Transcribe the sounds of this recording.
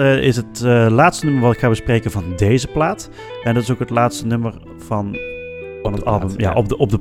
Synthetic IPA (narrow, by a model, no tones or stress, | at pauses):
ɪsɦətlaːtstənɵməɹʋɑtɪkχaːbəsprejkənvɑndejzəplaːt | ɛndɑtɪsokɦətlaːtstənɵməɹ | v̥ɑn | nətɑ̰lˠbəmja̰ːʔɔb̚dɔb̚də